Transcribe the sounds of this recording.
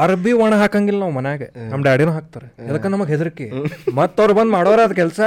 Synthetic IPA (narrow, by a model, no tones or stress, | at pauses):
ɐɾbiʋɐɳɐɦaːkaŋɡilːɐmɐnejaːɡenɐmɖeɐɽinuːɦaːk̚t̪aːɾeɐd̪ɐkɐnnɐmɐɡɦed̪iɾikːemɐt̪ːɐʋɾubɐnd̪maːɽoːɾeɐd̪ɐk̬ɛlsɐ